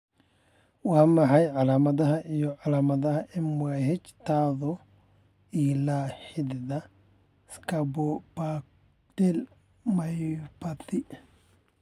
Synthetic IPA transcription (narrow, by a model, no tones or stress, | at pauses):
waːmɐħɐjʕalaːmɐðɐɦɐʔijɔʕalaːmɐðɐhɐʔɪmʊahɛt͡ʃt̪ʰaːðɔ | iːlaːħɪd̪ðɐ | skɐbɔpa | t̪ɛl | majpat̪ɪ